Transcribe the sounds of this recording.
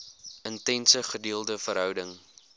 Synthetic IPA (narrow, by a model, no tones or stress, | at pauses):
əntɛnsəχədiːəlˠdəfəɾɦœwdəŋ